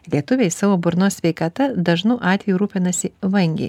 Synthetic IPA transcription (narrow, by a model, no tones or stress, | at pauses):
lʲiɛt̪ʊʋʲejsɑːʋoːbʊɾnoːsʲsʲʋʲɛɪkɐt̪ɐd̪ɐʒnɐːʔɑːt̪ʲʋʲɛjuɾuːpʲɪnɐsʲɪʋɐŋʲɡʲɛ̰ɪ